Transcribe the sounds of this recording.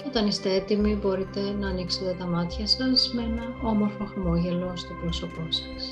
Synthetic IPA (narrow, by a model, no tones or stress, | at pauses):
o̞t̪ɐnist̪e̞e̞t̪imibo̞ɾit̪e̞nɐːnikse̞t̪e̞t̪ɐmɐt̪çɐsɐsmeenɐo̞mo̞ɾfoxmo̞ʝe̞lo̞st̪o̞pɾoso̞po̞sɐ̥s